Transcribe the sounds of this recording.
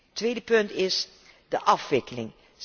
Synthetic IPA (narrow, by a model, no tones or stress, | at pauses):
tʋejdəpɵntɪs | dəʔɑfʋɪkəlɪ̰ŋ